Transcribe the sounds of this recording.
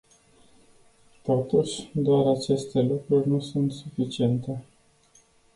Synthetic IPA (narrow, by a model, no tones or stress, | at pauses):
t̪ot̪uʃʲd̪oaɾat͡ʃe̞st̪e̞lukɾurʲnusunt̪sufit͡ʃie̞nt̪e̞